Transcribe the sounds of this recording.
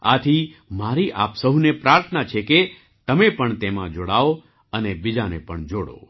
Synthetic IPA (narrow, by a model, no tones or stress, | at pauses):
at̪ʰimaɾiʔa̰psəɦunepɾaːɾt̪ʰənat͡ʃʰeke | t̪əmepəɳt̪emã̰d͡ʒoɽao | ənebid͡ʒanepəɳd͡ʒoɽo̰